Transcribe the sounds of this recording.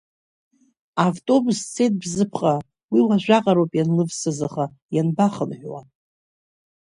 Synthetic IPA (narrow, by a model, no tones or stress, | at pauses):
avtʼo̞bust͡sʰe̞jt̚ʼbzɨpʰχʼa | wiwaʒᶣʷaqʼaɾowpʼjanlɨvsɨzaχa | janbaχənħʷᶣwa̰